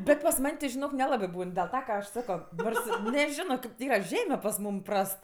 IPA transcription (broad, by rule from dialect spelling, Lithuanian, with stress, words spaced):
ˈbʲɛt pɐs ˈmɐnʲ tʲɪ ʒʲɪˈnoːk nʲɛˈlˠɑːbɜ ˈbuːn dʲeːlˠ ˈtɐ kɐ ˈɐʃ ˈsɑːkoː ˈnoːrs ɪ nʲɛˈʒʲɪnoː ˈkɐɪp tʲeː ˈiːrɐ ˈʒʲæːmʲɛ pɐs ˈmuːm ˈprɐst